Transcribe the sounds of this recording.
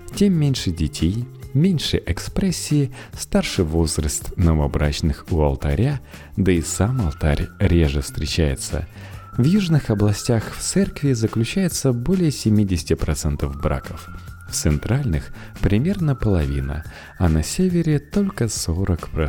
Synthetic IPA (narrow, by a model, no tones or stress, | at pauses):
tʲemːʲenʲʂɨdʲɪtʲejmʲenʲʂɨʔɛkspɾɛsʲːɪːst̪arʂɨvo̞zɾəst̪nəvəɐbɾa̰t͡ɕnɨxʊɐlˠt̪ɐɾʲa | d̪əɪsamɐlˠt̪aɾʲɾʲeʐɨfst̪ɾʲɪt͡ɕæjɪ̰t̪sə̰ | vjuʐnɨxɐblˠɐsʲtʲaxft̪sɛrkvʲɪzəklʲʉt͡ɕæjɪt̪səbo̞lʲɪjəsʲɪmʲidʲɪsʲɪ̥tʲɪpɾɐt̪sɛnt̪əvbɾa̰kəf | ft̪sɨnt̪ɾalʲnɨx | pɾʲɪmʲe̞rnəpəlˠɐvʲinə̰ | ɐnɐsʲevʲɪɾʲɪt̪o̞lʲkəso̞ɾəkpɾɐ